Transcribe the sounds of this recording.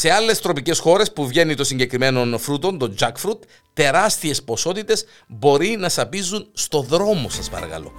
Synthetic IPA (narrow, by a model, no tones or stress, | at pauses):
se̞ɐle̞st̪ɾo̞pice̞sxo̞ɾe̞spuvʝe̞nit̪o̞siɲɟe̞kɾime̞no̞nfɾut̪o̞nt̪o̞nd͡ʒɐkfɾut̪ː | e̞ɾɐst̪ie̞spo̞so̞t̪it̪e̞s | bo̞ɾinɐsɐpizunst̪o̞ðɾo̞mo̞sɐspɐ̰ɾɐ̰kɐ̰lo̞̰